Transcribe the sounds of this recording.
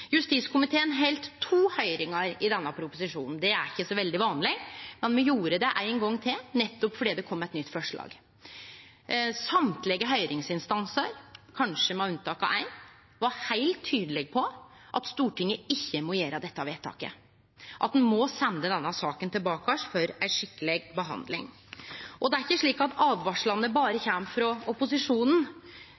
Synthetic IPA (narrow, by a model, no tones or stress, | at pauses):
jʉst̪iskʰʊmɪt̪ʰeːənɦɛlt̪ʰːuːhœʏɾɪŋɑɾɪd̪ɛnːəpʰɾʊpʊsɪʂuːnn̩d̪ɛæɾɪçːəsɔʋɛld̪ɪʋɑːnlɪmɛnmɛjuːɾəd̪ɛʔæɪnɡɔŋːt̪ʰɪlnɛt̪ːɔpfɔɖiːd̪ɛkʰɔmːɛt̪nʏt̪ːfɔʂɭɑ̰ːɡ | sɑmt̪lɛɡəɦœʏɾɪŋsɪnst̪ɑnsəɾkʰɑnʂəmɛɑʉnt̪ʰɑːkɑ̰ʔæɪn | ʋɑɾhæɪlt̪ʰːyːd̪əlɛɡ̚pʰɔ | ʔɑt̪st̪uːʈɪŋːəɪçːəmɔjeːɾəd̪ɛt̪ːɑʋeːt̪ʰɑ̰ːkə̰ | ʔɑt̪̚d̪ɛnmɔsɛnd̪əd̪ɛnːɑsɑːkənt̪ɪlbɑːkɑʂfœɾæɪʂɪkːəlɛɡbəɦɑ̰nd̪lɪ̰ŋ | ʔɔd̪ɛæɾɪçːəʂɭiːkɑt̪ɑːʋʋɑʂɭɑnəbɑːɾəçæmfɾɔɔpʊsɪʂuːnn̩